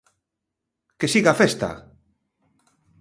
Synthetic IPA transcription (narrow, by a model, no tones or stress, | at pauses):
kesiɣafest̪a̰